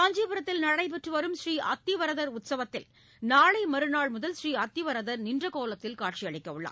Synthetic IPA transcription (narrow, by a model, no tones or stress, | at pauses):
aːɲd͡ʒipɯɾɐt̪ːɪlnɐɽɐɪp̬ɛʈrɯʋɐɾɯmʃɾiːʔɐt̪ːɪʋɐɾɐðɐɾʊt̪sɐʋɐt̪ːɪl | naːɭɐɪmɐɾɯnaːɭmʊðɐlsɾiːɐt̪ːɪʋɐɾɐðɐɾnɪndrɐkoːlɐt̪ːɪlkaːʈ̚t͡ʃijɐɭɪkːɐɯɭːɐ̰ː